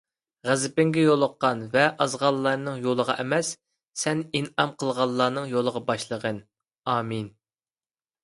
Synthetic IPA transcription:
ʁæzɪpɪŋɡʲɛjolˠəqːɑnvɛʔɑzʁɑlˠːɑɾnɨŋjolˠəʁɑ̰ʔɛmɛsː | ɛninɑmqʰəlˠʁɑlˠːɑːnɨŋjolˠəʁɑbɑʃlˠəʁən | ɑːmin

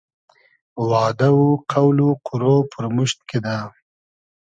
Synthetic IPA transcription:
wɑːd̪awuqʰawluqʰʊɾopʰəɾmʊʃt̪̚ked̪a

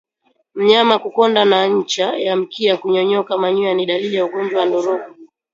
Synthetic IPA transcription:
m̩ɲamakukɔndanaɲ̩t͡ʃajam̩kiakuɲɔɲɔkamaɲuaniɗaliljauɡɔɲd͡ʒwawandɔɾɔkɔ

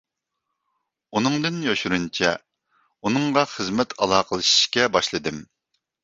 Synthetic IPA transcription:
unɨŋd̪ɨnjoʃuɾunt͡ʃʰɛ | unɨŋʁɑχəzmɛt̪ʰɑlˠɑːqʰəlˠɨʃi̥ʃkʲɛbɑʃlˠɨd̪ɨm

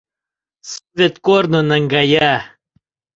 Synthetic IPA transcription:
svet̪koɾnonɐŋɡaja

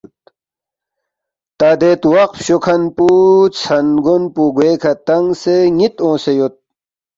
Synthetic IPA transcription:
t̪aːd̪eːt̪wɐqfɕukʰɐnput͡sʰɐnɡunpuɡweːkʰɐt̪ɐŋɡseŋit̪õːsejot̪̚

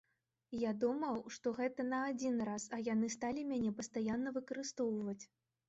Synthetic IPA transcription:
jad̪umɐwʂt̪ɔɣɛt̪ɐnɐːd͡zʲinrasɐjanɨst̪alʲimʲanʲɛpɐst̪ajanːɐvɨkɐɾɨst̪ɔwvɐt͡sʲ

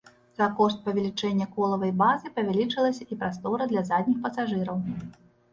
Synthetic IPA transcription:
z̥akɔʂt̪̚pɐvʲɛlʲit͡ʂɛnʲːɐkɔlˠɐvɐjbazɨpɐvʲɛlʲit͡ʂɨlˠɐsʲɐipɾast̪ɔɾɐd̪lʲɐzad̪ʲnʲixpɐsaʐɨɾɐw

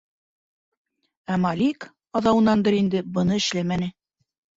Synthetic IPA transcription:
æmɑlʲik | ɑðɑwɤ̆nɑnd̪ɤɾind̪ɘbɤ̆nɤɘ̆ʃlæmænɘ

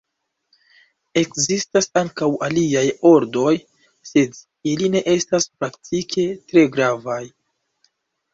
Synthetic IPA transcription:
e̞kzistasaŋkawʔaliajo̞ɾdo̞j | se̞d | iline̞ʔe̞staspɾaktʰikʰe̞tɾe̞ɡɾavaj

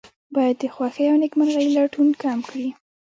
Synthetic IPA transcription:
bɑjad̪ːəxwɑxəjawnekmaɾɣajilaʈunkɑmkɽi

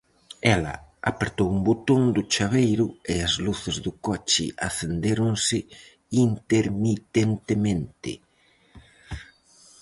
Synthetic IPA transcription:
ɛlɐ̰a̰peɾt̪owumbot̪oŋd̪ʊt͡ʃaβejɾʊeazluθɪzðʊkɔt͡ʃɪ̰ʔa̰θend̪eɾʊŋsɪ | int̪eɾmit̪ent̪emẽnt̪ɪ̰

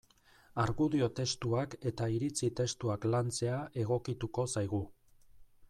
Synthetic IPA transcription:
aɾɣuðio̞t̪e̞st̪uake̞t̪aiɾit͡sit̪e̞st̪uaklant͡se̞aʔe̞ɣ̞o̞kit̪uko̞sajɣ̞u

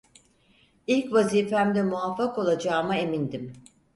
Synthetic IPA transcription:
ilʲcvaziːfæmd̪ɛmuafːako̞lˠad͡ʒaːmae̞mind̪im

